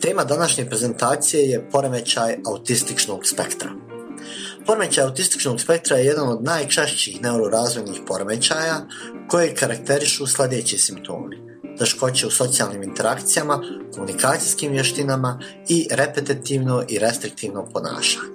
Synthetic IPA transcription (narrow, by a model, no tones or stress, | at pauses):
t̪e̞ːmad̪anaʃɲe̞pɾe̞ze̞nt̪aːt̪sije̞je̞po̞ɾeme̞t͡ɕajaut̪ist̪it͡ʃno̞ɡ̥spe̞kt̪ɾa̰ | po̞ɾeme̞t͡ɕaːjaut̪ist̪i̥t͡ʃno̞ɡspe̞k̚t̪ɾaje̞je̞d̪ano̞d̪naːjt͡ʃaʃt͡ɕiiːxne̞uɾoɾaːzʋo̞jnixpo̞ɾeme̞t͡ɕaːja | ko̞jekaɾak̚t̪e̞ɾiʃuslʲˠe̞d̪et͡ɕisimpt̪ʰo̞̰ːmi | t̪e̞ʃko̞t͡ɕe̞uso̞t̪sijalniːmint̪e̞ɾakt̪sijamako̞munikaːt̪sijskiːmʋjeʃt̪inama | iɾe̞pe̞t̪it̪iʋno̞ʔiɾe̞st̪ɾik̚t̪iːʋno̞po̞na̰ːʃḁɲ